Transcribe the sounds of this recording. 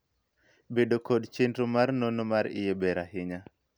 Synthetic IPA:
bedokodt͡ʃendɾomarnonomaɾɪ̰jebɛɾaɦɪɲa

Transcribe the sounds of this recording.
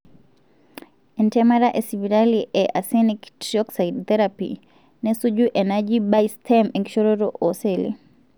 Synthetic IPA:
ɛntɛmaɾaʔesiviɾaliʔɛʔasɛniktiɔksaidt̪ɛɾapḭ | nɛsud͡ʒuʔɛnad͡ʒibajstʰɛmɛnkʃɔɾoɾoʔɔselḭ

